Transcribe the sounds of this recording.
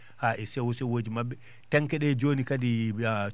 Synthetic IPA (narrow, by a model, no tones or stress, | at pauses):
haʔɛsɛwɔsɛwoːd͡ʒimabːɛ | tɛŋkɛɗɛd͡ʒoːnikadi